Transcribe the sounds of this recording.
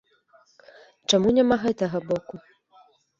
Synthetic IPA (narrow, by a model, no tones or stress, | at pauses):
t͡ʂamunʲamaɦɛt̪ɐɣɐbɔku